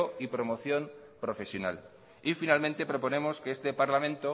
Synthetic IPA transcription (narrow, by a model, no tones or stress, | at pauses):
oipɾo̞moθjo̞mpɾo̞fe̞sjo̞na̰l | ifinalmẽnt̪e̞pɾo̞po̞ne̞mo̞skeest̪epaɾlamẽ̞nt̪o